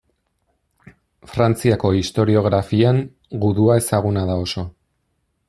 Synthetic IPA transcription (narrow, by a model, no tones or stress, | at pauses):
fɾant͡siako̞ist̪o̞ɾio̞ɣɾafiaŋ | ɡuðuae̞saɣ̞unaðao̞so̞